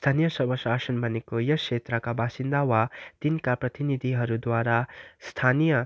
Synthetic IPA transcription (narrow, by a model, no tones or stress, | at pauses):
st̪ʰanijʌsʌbʌsasʌnbʱʌnekojʌksʰet̪ɾʌkabasind̪awat̪inkaprʌt̪inid̪ʱiɦʌɾud̪waɾast̪ʰanijʌ